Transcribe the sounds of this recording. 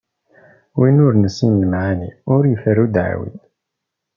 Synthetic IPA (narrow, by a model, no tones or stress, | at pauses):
winʊɾnəsinləmʕaniʊɾjəfəɾud̪ʕa̰wḭn